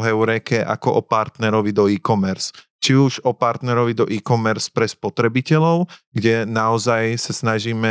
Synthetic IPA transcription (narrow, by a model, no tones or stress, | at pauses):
ɦɛʊɾɛkɛʔa̰kɔʔɔpaɾt̪nɛɾɔʋid̪ɔiːkɔmɛɾs | t͡ʃiuʒɔpaɾt̪nɛɾɔʋid̪ɔʔiːkɔmɛɾspɾɛspɔt̪ɾɛbicɛlɔʊɡɟɛnaɔzajsasnaʒiːmɛ